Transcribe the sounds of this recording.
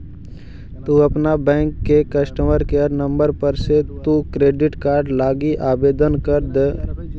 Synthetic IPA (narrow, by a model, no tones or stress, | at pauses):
t̪uɐpnabɛ̃ːŋkːekɐsʈəməɾkeəɾnə̃mbəɾpəɾset̪ukɾeːɖɪʈkaːɾɖlaːɡiʔaːbeːd̪ənkəɾd̪eː